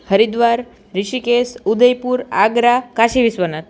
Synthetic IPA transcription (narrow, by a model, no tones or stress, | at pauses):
həɾid̪ʋaɾ | ɾiɕikesud̪əjpuːɾa̰ɡɾakaɕeʋisʋənat̪̚